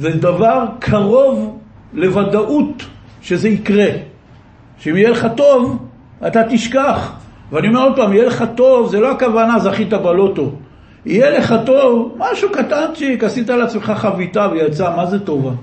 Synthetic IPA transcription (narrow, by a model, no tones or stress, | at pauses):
ved̪avaʁkʰaʁo̞v | le̞vad̪aʔut | ʃe̞zeikʁe | ʃeimijeleχato̞v | at̪at̪iʃkaχ | veanio̞meo̞d̪̚pamijeleχat̪o̞vzelo̞akavanazaχit̪abalo̞to̞ | ijeleχato̞vmaʃukatanʃikasit̪alat͡smeχaχavit̪avejat͡samazeto̞va